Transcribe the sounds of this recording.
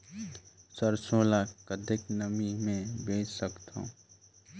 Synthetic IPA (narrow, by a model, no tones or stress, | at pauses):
səɾsoːlakəd̪eknəmimẽbeːt͡ʃsəkt̪õ̰ː